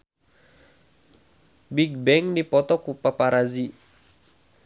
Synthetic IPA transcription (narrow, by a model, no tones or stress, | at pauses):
biɡ̚bɛŋdipɔt̪ɔkupapaɾazi